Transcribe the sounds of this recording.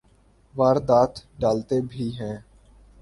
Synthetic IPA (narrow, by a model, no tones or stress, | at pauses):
ʋaːɾd̪aːt̪ɖaːlt̪ebʱiːɦɛ̃ː